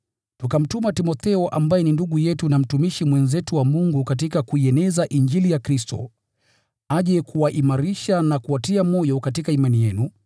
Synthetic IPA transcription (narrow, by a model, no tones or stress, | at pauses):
tukam̩tumatimɔθɛɔʔambajɛninduɠujɛtunam̩tumiʃimwɛnzɛtuwamuŋɡukat̬ikakuiɛnɛzaʔind͡ʒilijakɾistɔ̰ | aʄɛkʰuwaʔimaɾiʃanakuwatiamɔjɔkatikaimanijɛnu